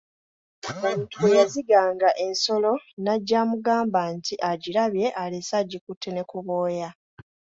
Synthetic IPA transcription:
omutuwejaziɡaːŋɡaʔe̞nso̞lo̞naɟːaːmuɡaːmbantiʔaɟiɾaβje̞ʔalesaɟːikutʰːene̞kuβoːja

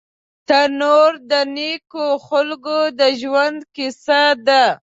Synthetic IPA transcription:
t̪anoɾd̪ənekoxʊlɡod̪əʒwand̪kɪsad̪a

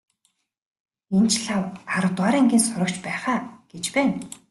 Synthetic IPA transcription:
ent͡ɕɮawaɾə̆wt̪waːɾiːŋɡʲiːnsʊɾɞ̆kt͡ɕpæːχaːɡ̥et͡ɕpæːn

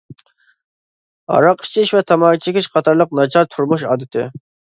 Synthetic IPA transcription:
ɑ̰ɾɑqi̥t͡ʃʰɪʃvɛt̪ʰɑmɑːt͡ʃʰɪkʲʰɪʃqʰɑt̪ʰɑɾlˠəq̚nɑt͡ʃʰɑɾt̪ʰuɾmuʃɑ̰ːd̪ɪt̪ʰɪ̰

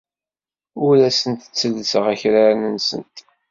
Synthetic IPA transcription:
ʊɾæsənt̪ə̥t͡sːəlːəsəʁæçɾaɾanənsə̰nt̪

